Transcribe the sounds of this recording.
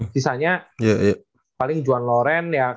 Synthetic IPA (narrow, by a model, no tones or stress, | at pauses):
sisaɲajaia | palɪŋd͡ʒuanloɾɛnja